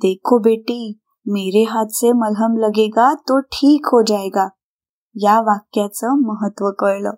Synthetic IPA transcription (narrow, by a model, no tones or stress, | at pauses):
d̪ekʰobeʈiː | meɾeɦat̪t͡semələmləɡeɡat̪oʈʰiːkɦod͡ʑajɡa | jaʋakjat͡səməɦət̪ʋəkəɾləː